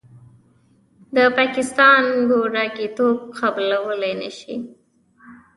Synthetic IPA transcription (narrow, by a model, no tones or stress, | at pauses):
d̪əpɑkɪst̪ɑnɡoɖɑkit̪ob̚qablawəlajnə̰ʃḭ